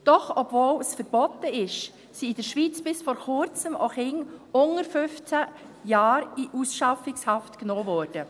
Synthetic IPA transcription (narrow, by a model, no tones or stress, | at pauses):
d̥ɔχɔbvoːlsfəɾb̥ɔt̪əɪʃ | siɪd̥əɾʃʋiːt͡sb̥ɪsfɔɾχʊɾt͡səmʔo̰χɪŋʊŋəɾfʏft͡sæ | jɑːɾiʔusʃɑfɪkshɑftknoːvɔːɾd̥ə